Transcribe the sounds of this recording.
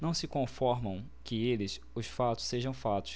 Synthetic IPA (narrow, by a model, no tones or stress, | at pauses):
nɐ̃w̃sɪkõfɔɾmɐ̃w̃ | kɪelɪs | ʊsfat̪ʊ̥sseʒɐ̃w̃fat̪ʊ̥ʃ